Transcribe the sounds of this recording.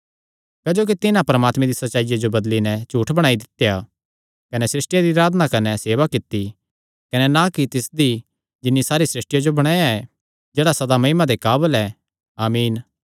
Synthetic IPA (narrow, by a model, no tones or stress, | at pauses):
kɐd͡ʒoːk̬it̪ɪnãpɐɾəmaːt̪mẽd̪isɐtːʃaːɪjad͡ʒobɐd̪linɛt͡ʃuːʈʰbɐɽ̃aːid̪ɪt̪ːja | kɐnɛsɾɪsʈɪjad̪iɐɾaːd̪nakɐnɛseːʋakɪt̪ːi | kɐnɛnakit̪ɪsd̪i | d͡ʒɪnːisaːɾisɾɪsʈɪjad͡ʒobɐɽ̃aːjaɛ | d͡ʒeːɽasɐd̪amɐɪmad̪ekaːbəlɛː | aːmiːn